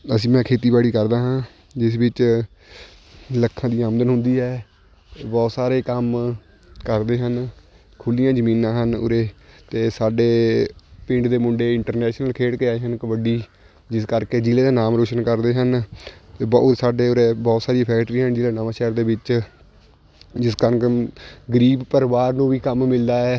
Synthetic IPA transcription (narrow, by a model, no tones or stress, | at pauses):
əsĩːmɛ̃ːkʰeːt̪iːbaːɽiːkəɾd̪aːɦãː | d͡ʒɪs̬ʋɪt͡ʃ | ləkʰːãːd̪iːəmd̪ənɦʊ̃nd̪iːɦɛː | bɔːt̪saːɾeːkəm | kəɾd̪eːɦən | kʰʊlijãːd͡ʒəmĩːnãːɦənʊ̰ɾeːt̪eːsaːɖeːpɪ̃ɳɖd̪eːmʊ̃ɳɖeːɪɳʈəɾnɛːʃnəlkʰeːɽkeːaːiːɦənkəbəɖiː | d͡ʒɪskəɾkeːd͡ʒɪleːd̪aːnaːmɾoːʃənkəɾd̪eːɦənt̪eːbɔːsaːɖeːʊɾeːbɔːt̪saːɾiːpʰɛːkʈɾiːɦənd͡ʒɪːlaːnaːʋãːʃɛːɾd̪eːʋɪt͡ʃ | d͡ʒɪskəɾkɡəɾiːbpəɾʋaːɾnũːʋiːkəmːɪld̪aːɛː